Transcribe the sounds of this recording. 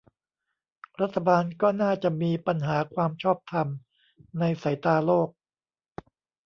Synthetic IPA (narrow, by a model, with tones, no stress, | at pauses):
ɾa˦˥t̪ʰːa˧baː˧nkɔː˥˩naː˥˩t͡ɕa˨˩ʔmiː˧pa˧nɦaː˩˦kʰwaː˧mt͡ɕʰɔː˥˩p̚t̪ʰa˧m | na˧jsa˩˦jt̪aː˧loː˥˩k̚